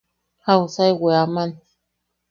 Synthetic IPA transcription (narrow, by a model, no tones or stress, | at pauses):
hausajweamãn